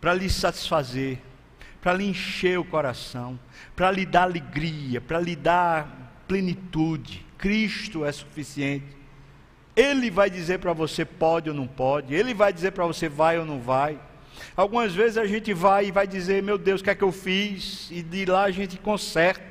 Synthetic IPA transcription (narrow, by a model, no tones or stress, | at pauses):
pɾɐlɪsat̪i̥sfazeɾ | pɾɐliẽʃeɾʊkɔɾasɐ̃w̃ | pɾɐlid̪aɾaleɡɾiɐpɾɐlid̪aplẽnit̪ud͡ʒɪkɾiʃt̪ʊɛsu̥fisiẽt̪ɪ̥ | elɪvajd̪izeɾpɾɐvosepɔd͡ʒɪownɐ̃w̃pɔd͡ʒɪelɪvajd̪izeɾpɾɐvosevajonɐ̃w̃vaj | awɡũmɐzvezɪzaʒẽnt̪ɪvajɪvajd̪izeɾmewd̪ewskɛkɪewfizɪd̪ɪlaaʒẽnt̪ɪ̥kõsɛɾt̪ɐ